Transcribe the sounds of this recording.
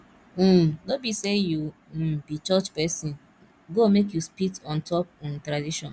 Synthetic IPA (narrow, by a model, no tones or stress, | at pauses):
m̩nobiseju | bit͡ʃɔt͡ʃpɛsĩn | ɡomek̬juspitɔ̃ntʰɔpntɾadiʃɔ̃n